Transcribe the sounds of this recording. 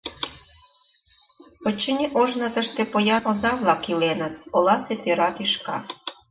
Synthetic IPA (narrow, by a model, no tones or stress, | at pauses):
ot͡ɕːə̆nʲeʔoʒnɤ̆t̪əʃt̪epojɑnozɑβlɑkːilenə̆t̪̚olɑset̪eɾɑkiʃkɑ